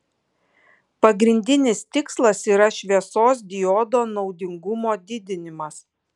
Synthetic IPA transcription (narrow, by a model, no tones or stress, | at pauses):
pɐɡɾʲɪnʲd̪ʲɪnʲɪst̪ʲɪkslˠɐsiːɾɐʃʲʋʲiɛsoːs̬d̪ʲɪjɔːd̪oːnɒʊd̪ʲɪŋɡʊmoːd̪ʲɪd̪ʲɪnʲɪmɐs